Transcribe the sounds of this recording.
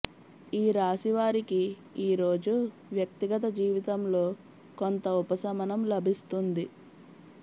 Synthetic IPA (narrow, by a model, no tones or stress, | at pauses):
iːɾaːsiʋaːɾiki | iːɾo̞ːd͡ʒu | ʋjɐk̚t̪iɡɐt̪ɐd͡ʒiːʋit̪ɐmlo̞ː | ko̞nt̪ɐupɐsɐmɐnɐmlɐbʱist̪und̪i